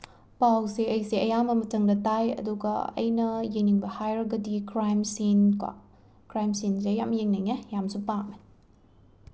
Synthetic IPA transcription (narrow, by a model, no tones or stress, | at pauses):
pawseɐjsiʔɐjamɐmɐtɐŋdɐtajɐ̰duɡɐ̰ɐ̰jnɐjeniŋbɐhajɾɐɡɐdikɾajmsinkwa̰ | kɾajmsinzejamjeŋneŋejamsupak̚me